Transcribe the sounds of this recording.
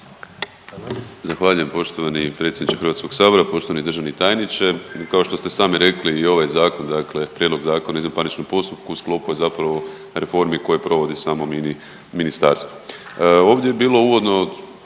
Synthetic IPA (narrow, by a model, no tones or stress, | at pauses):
zaxʋaːʎuje̞mpo̞ʃt̪oʋanipɾe̞t̪sʲjd̪nit͡ʃexɾʋaːt̪sko̞ɡsaːbo̞ɾapo̞ʃt̪oanid̪ɾr̩ʒaʋnit̪aːjnit͡ʃe̞kao̞ʃt̪o̞st̪e̞saːmiɾe̞kliːo̞ʋajzaːko̞nd̪akle̞pɾʲje̞d̪loɡzaːko̞naizmapanit͡ʃnompo̞st̪up̚kusklˠo̞pujezapɾaʋo̞ | ɾe̞fo̞ɾmiko̞jepɾo̞ʋo̞d̪isaːmom | minist̪aɾst̪ʋoo̞ːʋd̪ʲjejebiːlˠo̞uʋo̞d̪no̞